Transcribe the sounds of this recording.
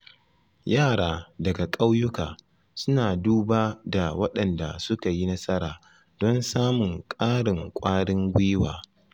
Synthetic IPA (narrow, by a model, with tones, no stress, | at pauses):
jaː˦˨ɽaː˦dɐ˨ɡa˨kʼa˦wjʊ˦kaː˨ | sʊ˦naː˨duː˦baː˦da˨wɐ˦ɗɐ˨nda̰˨sʊ˦ka˨ji˦nɐ˦sɐ˦ɾaː˨ | dɔ˦nsaː˦mʊ˨ŋkʼaː˦ɽɪ˨ŋkʷʼaː˦ɽɪ˦ŋɡʷɪ˦wa̰ː˨